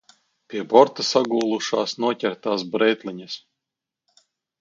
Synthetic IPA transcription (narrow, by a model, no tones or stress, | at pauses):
pʲiɛbɔɾt̪asaɡuːlˠuʃaːsnuɔcʲɛɾt̪aːsbɾɛjt̪lʲˠiɲas